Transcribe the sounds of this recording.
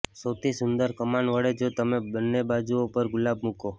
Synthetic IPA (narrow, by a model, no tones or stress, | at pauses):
sət̪ʰisʊnd̪əɾkəmanʋəɽed͡ʒot̪əmebənːebad͡ʒuopəɾɡʊlabmuko